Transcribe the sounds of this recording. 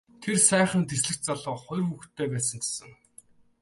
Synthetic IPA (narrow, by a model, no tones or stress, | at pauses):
t̪ʰersæːχə̆nt̪esɮɘ̆kt͡ɕt͡saɮɔːχʊ̟jrxuxt̪ʰːeːpæːsə̆ŋt͡ɕe̥sə̆ŋ